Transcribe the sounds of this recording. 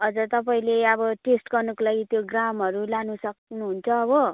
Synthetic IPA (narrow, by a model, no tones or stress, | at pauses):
ɦʌd͡zʌrt̪ʌpaĩleʌβʌʈesʈɡʌrnʌkolajt̪joɡramɦʌɾulanusʌknuɦunt͡sʰʌːbʌ